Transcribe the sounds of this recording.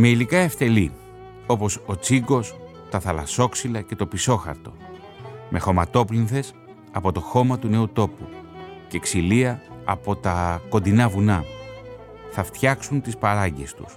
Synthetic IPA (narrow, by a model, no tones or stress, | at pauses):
me̞ilikɐe̞ft̪e̞li | o̞po̞so̞t͡siɡo̞s | t̪ɐθɐlɐso̞ksilɐce̞t̪o̞piso̞xɐ̰ɾt̪o̞̰ | mʔe̞xo̞mɐt̪o̞plinθe̞s | ɐpo̞t̪o̞xo̞mɐt̪une̞ut̪o̞puce̞ksiliɐːpo̞t̪ɐko̞nd̪inɐvunɐ | θɐft̪çɐksunt̪ispɐɾɐɟe̞st̪u̥s